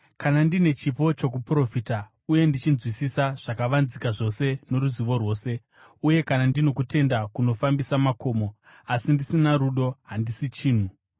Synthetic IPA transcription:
kanandine̞t͡ʃipo̞t͡ʃo̞k̬upro̞fiːta | uje̞ndit͡ʃinzwisisaʐ̥akaʋanzikaʐo̞se̞no̞ɾuziʋo̞rwo̞ːse̞ | uje̞kanandino̞kute̞ndakuno̞fambisamako̞ːmo̞ | asindisinaɾuɗo̞ɦandisit͡ʃiːn̤u

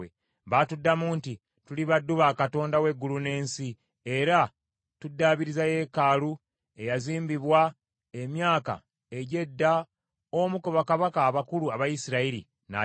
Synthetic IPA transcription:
ḛ | βatudːamuːnti | tuliβadːuβaːkato̞ːndawe̞ɡːulune̞ːnsi | e̞ɾa | tudːaːβiɾizaje̞ːkaːlu | e̞jaziːmbiβwa | e̞mjaːka̰ | e̞ɟe̞dːa | omukoβakaβakaːβakuluaβajisiɾaiɾḭ | na̰

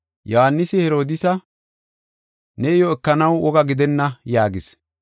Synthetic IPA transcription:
jɔhanːɪsɪhɛɾo̞ːd̪ɪsɐ | nɛɪjɔɛkːɐnɐwɔɡɐɡɪd̪ɛnːɐjaːɡɪs

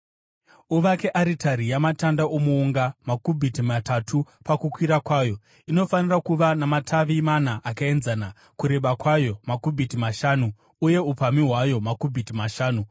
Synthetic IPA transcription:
uʋake̞ʔaɾitʰaɾijamatandaomuːŋɡamakubʱitimatatʰu | pakukwiɾakwaːjo̞ | ino̞fanirakuʋanamatʰaʋimanaʔakae̞nzana | kuɾe̞ɓakwajo̞makubʱitimaʃaːnuː | je̞upamiɦwajo̞makubʱitimaʃaːnu

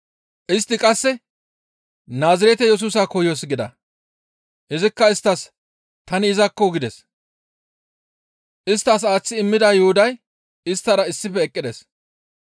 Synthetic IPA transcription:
ʔɪst̪ːɪkʼɐsːɛ | naːzɐɾɛt̪ɛjɛs̬uːsaːkɔjjoːs̬ɡɪd̪ɐ̰ | ʔɪzɪkːɐɪst̪ːɐs | t̪ɐnɪːzɐkːɔɡɪd̪ɛs | ʔɪst̪ːɐs̬aːt͡sːɪɪmːɪd̪aːjʊhʊd̪ɐj | ɪst̪ːɐɾɐɪsːɪfɛːkʼːɪd̪ɛs

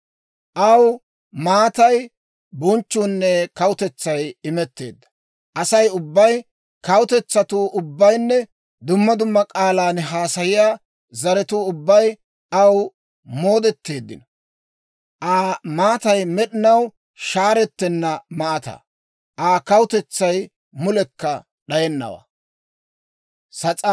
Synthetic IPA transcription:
ʔɐw | maːt̪ɐj | bʊnt͡ʃːuːnːɛkɐwʊt̪ɛt͡sːɐjɪmɛt̪ːe̞̰ːd̪ːɐ̥ | ʔɐsɐjʊbːɐj | kɐwʊt̪ɛt͡sːɐt̪uʔʊbːɐjnːɛ | d̪ʊmːɐd̪ʊmːɐkʼaːlaːnɦaːsɐjɪjaː | zɐɾɛt̪uːʊbːɐj | ɐw | mo̞ːd̪ɛt̪ːe̞ːd̪ːɪ̰nɐ | ʔaːmaːt̪ɐjmɛɗɪnɐw | ʃaːɾɛt̪ːɛnːɐmɐʔɐt̪ɐ̰ | ʔaːkɐwʊt̪ɛt͡sːɐj | mʊlɛkːɐ | ɗɐjɛnːɐ̰wa̰ː | sɐt͡sʼɐ

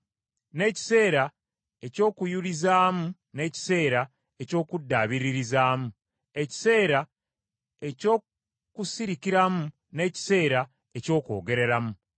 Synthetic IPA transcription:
ne̞ːci̥se̞ːɾa | e̞co̞ːkujulizaːmu | ne̞ːci̥se̞ːɾa | e̞co̞ːkudːaːβiɾiɾizaːmu | e̞ci̥se̞ːɾa | e̞co̞ː | kusiɾikiɾamu | ne̞ːci̥se̞ːɾa | e̞co̞ːko̞ːɡe̞ɾe̞ɾamu

